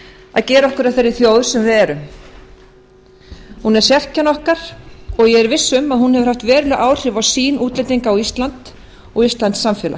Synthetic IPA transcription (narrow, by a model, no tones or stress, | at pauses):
aðcɛːɾɔhkʏɾaðθeɾɪθjowðɾ̥sɛmvɪɛɾʏm | hunɛɾ̥sjɛr̥canɔhkaɾ̥ɔɣjɛɛɾvɪsːʏmaðhunhɛvʏ̥ɾ̥aft̪vɛːɾʏlɛɣʔaːwr̥ɪvawsiːnuːt̪lejt̪iŋkaawist̪lant̪ | ɔɣist̪lant̪sːamfjɛːla̰